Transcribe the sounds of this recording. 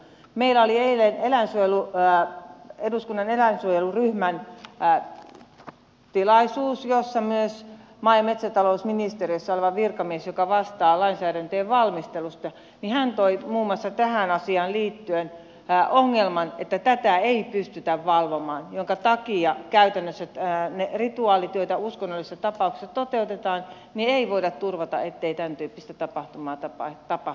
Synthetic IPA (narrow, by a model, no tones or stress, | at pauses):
meilæolieilenelæinsuojelu | eduskunːɑnelæinsuojeluryhmæn | t̪ilɑisuːsjosːɑmyøs | mɑijɑmet̪sæt̪ɑlousminist̪eriøsːɑoleʋɑʋʋirkɑmiesjokɑʋɑst̪ɑːlɑinsæːɾænt̪øːʋʋɑlmist̪elust̪ɑ | nihænt̪oimuːmːˑɑsːɑt̪æhænɑsiɑːnliːt̪ːyen | ʔoŋːelmɑnet̪ːæt̪æt̪æeipyst̪yt̪æʋʋɑlʋomɑːnjoŋkɑt̪ɑkiɑkæyt̪ænːøsːæt̪ːnerit̪uɑːlit̪yøt̪æuskonːolist̪ɑt̪ɑpɑˑuksi̥sɑt̪ot̪eut̪et̪ɑːn | nieiʋoiɾɑt̪t̪urʋɑt̪ɑ̰ʔet̪ːeit̪ænt̪yːpːist̪æt̪ɑpɑht̪umɑːt̪ɑpɑt̪ɑpɑ